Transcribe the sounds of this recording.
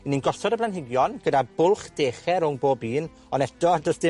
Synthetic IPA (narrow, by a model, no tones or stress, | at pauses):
ɪninɡɔsɔdəblˠanɦɪɡjɔnɡ̥ədabʊlˠχd̥eːχɛɾʊŋboːbiːn | ɔnɛdɔdəsdɪ